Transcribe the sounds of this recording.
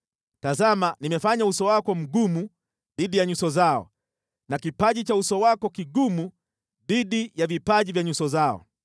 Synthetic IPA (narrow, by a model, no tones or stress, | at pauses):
tazamanimɛfaɲausɔwakɔm̩ɡumu | ðiɗijaɲusɔzaɔ̰ | nakipaʄit͡ʃausɔwakɔkiɡumu | ðiɗijavipaʄivjaɲusɔzaɔ̰